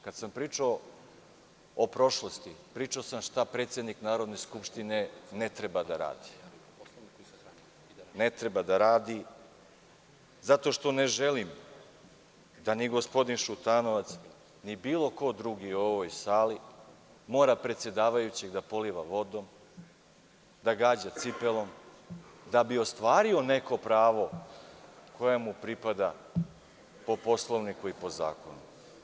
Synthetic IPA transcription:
kad̪sampɾiːt͡ʃao | opɾo̞ʃlˠost̪ipɾiːt͡ʃaosamʃt̪apɾet̪se̞d̪niknaːɾo̞d̪ne̞skupʃt̪ine̞net̪ɾebad̪aɾa̰ːd̪i | net̪ɾe̞bad̪aɾaːd̪i | zat̪o̞ʃt̪o̞ne̞ʒelim | d̪aniɡo̞spo̞d̪inʃut̪ano̞ʋat̪s | nibiːlˠo̞ko̞d̪ɾuɡio̞ʋojsaːli | mo̞ːɾapɾet̪sje̞d̪aːʋajut͡ɕeɡd̪apo̞liʋaʋo̞d̪o̞m | d̪aɡaːd͡ʑat̪sipe̞lo̞m | d̪abio̞st̪ʋaːɾio̞ne̞ko̞pɾaːʋo̞ | kʰo̞jamupɾipad̪a | po̞po̞slˠo̞ʋnikuipo̞za̰ːko̞nu

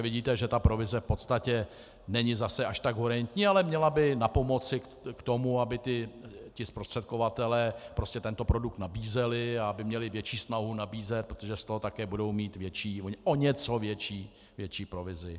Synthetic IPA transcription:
vɪɟiːt̪ɛʒɛt̪apɾo̞vɪzɛfpo̞t̪st̪acɛ | nɛɲɪzasɛʔaʃt̪aɡɦuɾɛnt̪ɲiːalɛmɲɛlabɪnapo̞mo̞t͡sɪ | kt̪o̞muabɪt̪ɪcɪspɾo̞st̪r̥ɛt̪̚kovat̪ɛlɛːpɾo̞scɛt̪ɛnt̪o̞pɾo̞duk̚t̪nabiːzɛlɪaabɪmɲɛlɪvjɛt͡ʃiːsnaɦunabiːzɛt̪̚pɾot̪oʒɛst̪oɦot̪akɛːbudo̞wmiːt̪vjɛt͡ʃiːoʔoɲɛt͡so̞vjɛt͡ʃiː | vjɛt͡ʃiːpɾo̞vɪzɪ

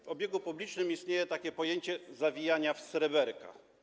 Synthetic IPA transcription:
vɔbʲjeɡupublʲit͡ʂnɘmist̪ɲejɛt̪akʲɛpɔjeɲt͡ɕɛzavʲijaɲafsɾɛbɛɾka̰

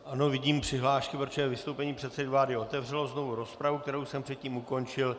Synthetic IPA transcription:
ʔano̞vɪɟiːmpr̝̥ɪɦlaːʃkɪpɾot͡ʃjɛvɪst̪owpɛɲiːpr̝̥ɛt̪sɛdɪvlaːdɪo̞t̪ɛvr̝ɛlo̞zno̞vuɾo̞spɾavuk̚t̪ɛɾowsɛmpr̥ɛt̪ciːmuko̞nt͡ʃɪl

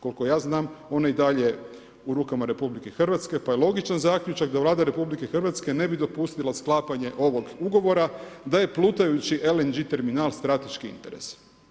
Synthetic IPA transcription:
ko̞lko̞jaːznaːmo̞naid̪aʎe̞ | uɾuːkamaɾe̞publike̞xr̩ʋat̪ske̞pajelˠo̞ɡit͡ʃanzakʎut͡ʃakd̪aʋlˠaːd̪aɾe̞publike̞xrʋat̪ske̞ne̞bid̪o̞pust̪ilˠasklˠaːpaɲe̞ʔo̞ʋo̞ɡuɡo̞ʋo̞ɾad̪aje̞plˠuːt̪ajut͡ɕiʔelend͡ʒit̪e̞ɾminaːlˠst̪ɾat̪e̞ʃkiḭnt̪e̞ɾe̞̰s

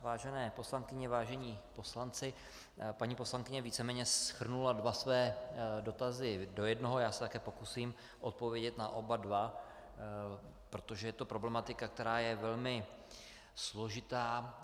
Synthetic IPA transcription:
vaːʒɛnɛːpo̞slaŋkɪɲɛvaːʒɛɲiːpo̞slant͡sɪ | paɲiːpo̞slaŋkɪɲɛviːt͡sɛmɛːɲɛsxr̩nuladvasvɛːdo̞t̪azɪdo̞jɛdnoɦojaːsɛ̥t̪akɛːpo̞kusiːm | ʔot̪̚po̞vjɛɟɛt̪naʔo̞badva | pɾo̞t̪o̞ʒɛjɛt̪o̞pɾo̞blɛmat̪ɪkak̚t̪ɛɾaːjɛvɛlmɪ | slo̞ʒɪt̪aː

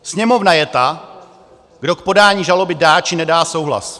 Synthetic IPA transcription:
sɲɛmo̞vnajɛt̪a | ɡdo̞k̚po̞daːɲiːʒalo̞bɪdaːt͡ʃɪnɛdaːso̞wɦla̰s

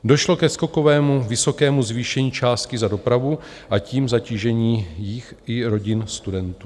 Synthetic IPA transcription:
do̞ʃlo̞kɛsko̞ko̞vɛːmuvɪso̞kɛːmuzviːʃɛɲiːt͡ʃaːst̪̚kɪzado̞pɾavu | ʔaciːmzaciːʒɛɲiːjɪxʔɪɾo̞ɟɪnst̪udɛnt̪uː

